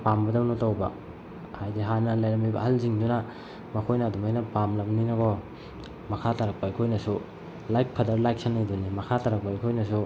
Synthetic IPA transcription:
pambɐdɐmnotawbɐ̰ | hajdiɦanɐlajɾɐmijbɐ̰hɐlziŋduna | mɐkʰojnɐːdumajnɐpamlɐmninɐɡɔ | mɐkʰatʰaɾɐk̚paikʰojnɐsu | lajk̚pʰɐdɐɾlajk̚sanːajdunimɐkʰatʰaɾɐk̚paikʰojnɐsu

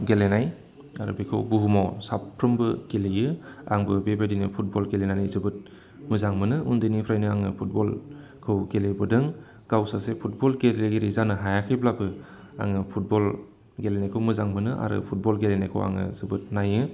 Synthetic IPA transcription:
ɡelenaj | a̰ɾṵbekʰɯwbuɦumɔwsapʰːɾɯmbɯɡ̥elejɯa̰ŋbɯbebadinɯpʰut̚bɔlɡelenanizɯbɯt̚ | mɯzaŋmɯnɯʔundɯnipʰɾajnɯaŋɯpʰut̚bɔl | kʰɯwɡelebɯdɯŋ | ɡ̥awsasepʰut̚bɔlɡeɾleɡeɾizanɯɦajakʰiblabɯ | a̰ŋɯpʰut̚bɔl | ɡelenajkʰɯwmɯzaŋmɯnɯʔa̰ɾɯ̰pʰut̚bɔlɡelenajkʰɯ̰wa̰ŋɯ̰zɯbɯt̚najɯ

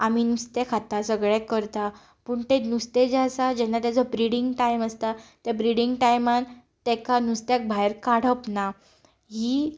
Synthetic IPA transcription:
am̤inust̪ekʰat̪asəɡɭɛkəɾt̪a | puːɳt̪enust̪ed͡zasad͡ʑɛnːat̪jat͡sɔbɾiɽiŋɡʈajməst̪at̪jabɾiɽiŋɡʈajman | t̪ɛkanust̪jak̚bʱajɾkaɽ̤əpna | ɦiː

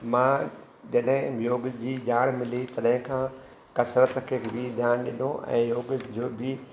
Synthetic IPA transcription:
mãː | d͡ʑɐɗɦɪ̃mjoːɡd͡ʑiːd͡ʑaːɽ̃mɪlit̪ɐɗɦɪ̃kʰãː | kɐsɾət̪kʰeːbid̪ʱjaːñɗɪnoʔɛ̰̃ːjoːɡd͡ʑoːbʱi

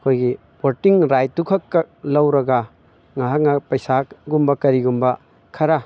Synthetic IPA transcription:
ɐkʰojɡi | poɾtiŋɾajtukʰɐkːɐlɐwɾɐɡɐ | ŋaɦak̚ŋapɐjsaɡumbɐkɐɾiɡumbɐ | kʰɐɾa

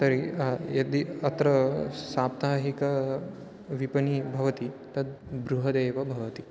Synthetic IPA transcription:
t̪ɐɾijɐd̪iɐt̪ɾɐsaːp̚t̪aːɦikɐ | ʋipɐnibʱɐʋɐt̪it̪ɐd̪̚bɾuɦɐd̪ejʋɐbʱɐʋɐt̪i

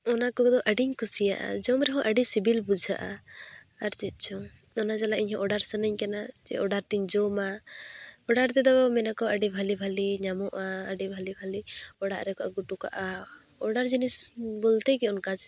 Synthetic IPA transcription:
ɔnakɔɡd̪ɔʔəɖiɲkusija̰ʔa̰d͡ʒɔmɾɛɦɔ̃ʔəɖisibilbud͡ʒʱa̰ʔa̰ | aɾt͡ʃit̪̚ˀt͡ʃʰɔ | ɔnad͡ʒalaʔiɲhɔ̃ʔɔɖaɾsənəɲkanad͡ʒɛ̰ʔɔɖaɾt̪iɲd͡ʒɔma | ɔɖaɾt̪ɛd̪ɔmɛnakɔəɖibʱalibʱaliɲamɔʔaəɖibʱalibʱaliɔɽaʔɾɛkɔʔa̰ɡuʈuka̰ʔa | ɔɖaɾd͡ʒinisbɔlt̪ɛkɛɔnkad͡ʒ

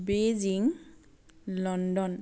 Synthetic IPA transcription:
beziŋ | lɔndɔn

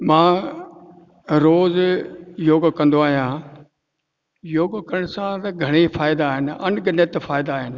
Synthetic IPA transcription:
mãː | ɾoːzjoːɡkɐ̃nd̪oaːɦijãː | joːɡkəɾəɽ̃sãt̪ɐɡʱɐɽ̃efʰaːjɪd̪aːɦɪnɐ̰nɡənət̪fʰaːɪd̪aːɦɪn̆

